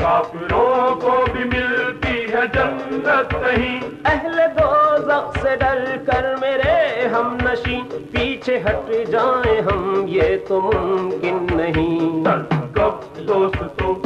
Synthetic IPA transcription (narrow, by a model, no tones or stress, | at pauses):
kaːfɪɾõkobʱimɪlt̪iɦɛd͡ʒɐnd̪ɐt̪nɐɦĩːɛɦled̪oːzɐxseɖɐɾkɐɾmeːɾeɦɐmnɐʃĩːpiːt͡ʃʰeɦɐʈid͡ʒaːẽɦɐmjet̪omʊ̃mkɪnːɐɦĩːɐɾkɐp̚ | d̪oːst̪t̪oː